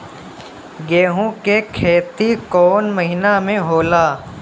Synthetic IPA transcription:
ɡeːɦũkekʰeːt̪ikɔːnməɦɪnamẽɦoːlaː

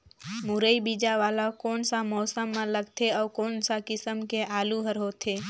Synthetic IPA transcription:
muɾəibid͡ʒaʋalakoːnsamɔːsəmːãləɡt̪ʰeəʋkoːnsakɪsəmkeʔaːluɦəɾɦot̪ʰe

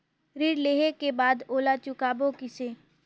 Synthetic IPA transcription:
ɾiːɽleːɦekebaːd̪oːlat͡ʃʊkaːbokɪseː

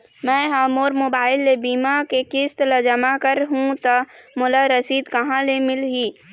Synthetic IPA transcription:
mɛ̃ːɦaːmoːɾmoːbaːɪlːebiːmakekɪst̪lɐd͡ʒəmakəɾɦũt̪amʊlaɾɐsiːd̪kɐɦãlemɪlɦiː

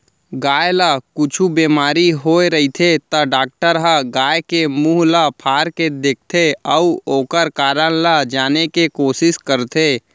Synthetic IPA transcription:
ɡaːjlakʊt͡ʃʰubeːmaːɾiɦoːeɾəɦit̪ʰet̪əɖaːk̚ʈəɾɦaɡaːjkemuːɦlapʰaːɾked̪eːk̚ʰt̪ʰeəʊoːkəɾkaːɾənlad͡ʒaːnekekoːsɪskəɾt̪ʰeː

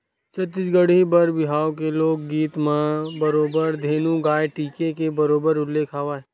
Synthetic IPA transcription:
t͡ʃɐt͡ʃɪd͡ʒɡəɽibəɾbɪɦaːokeloːɡ̚ːiːt̪mãbəɾoːbəɾd̪ʱeːnũɡaːeʈiːkekebɐɾoːbəɾʊlːeːkʰaːʋaː

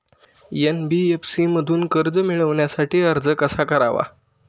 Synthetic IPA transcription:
jenbiefsiməd̪ʱuːnkəɾd͡zəmiɭəʋɳjasaʈʰiːəɾd͡zəkəsakəɾaʋa̰

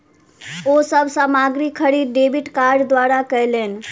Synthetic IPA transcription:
osəbʱsaːmaɡɾikʰːəɽid̪ɖebiʈkaɾɖd̪waɾakəɦlen

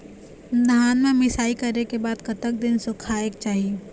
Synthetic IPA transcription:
d̪ʱaːnmẽmɪsaːikɐɾnekebaːd̪kɐt̪ək̚d̪ɪnsʊkʰaːek̚t͡ʃaːɦieː

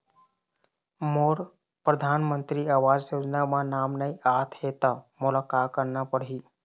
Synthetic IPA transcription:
moːɾ | pɾəd̪ʱaːnmə̃nt̪ɾiaːʋaːd͡ʒjoːd͡ʒnamãnaːmnəiʔaːt̪ʰɦeːt̪amʊlaːkaːt̪̚kəɾnapəɽiː

